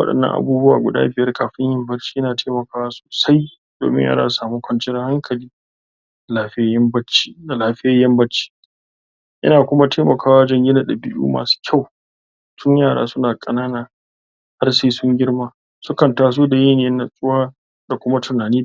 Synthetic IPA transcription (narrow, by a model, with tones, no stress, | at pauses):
wɐ̰˦ɗɐ̰˨nːɐ̰˦ŋʔa̰˨buː˦bʊ˦a̰ː˨ɡʷʊ̰˨da̰ː˦bɪ˨jɐ˦rkaː˨ɸɪ˦ɲjɐ˦mbɐ˦t͡ʃi̥ː˦ʔɪ˦naː˨tʰeː˦mɐ˨kaː˦wa˦so̥ː˨sa˦j | d̥o̰ː˨mɪ̰˦ɲjʔa̰˦ɾa̰ː˦˨saː˨muː˦kʷɐ˨nt͡ʃɪ˦ɾɐ˦ha˦ŋkʰɐ˨liː˦˨ | aː˨ɸjɐ˦bɐ˦t͡ʃi˦da˨laː˨˦ɸɪ˦jɐ˦jɐ˦mbɐ˦t͡ʃːi̥ː˦ | ʔɪ̰˦naː˨kʷʊ˦ma˦tʰeː˦mɐ˨kʰaː˦wa˦d͡ʒɐ˦ŋɡʲɪ˦na˨da˨bɪ˦jṵː˦ma̰ː˨su̥ː˦kʲʰa˦˨w | sʊ˦ɲjaː˦˨ɽa̰ː˦sʊ˦naː˨kʼɐ˨naː˦naː˨ | ha˦rseː˦sʊ˦ŋɡʲɪ˦rmaː˦ | sʊ˦kɐ˨ntaː˨s̬oː˦da˨jiː˦neː˦na˨sʼʊ˦waː˦ | da˨kʷʊ˦ma˦tʰʊ˨naː˨niː˦